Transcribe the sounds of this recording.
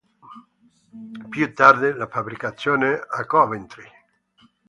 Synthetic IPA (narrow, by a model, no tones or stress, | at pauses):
pjut̪ːard̪elafabɾikat̪sːjoːneakɔvent̪ɾi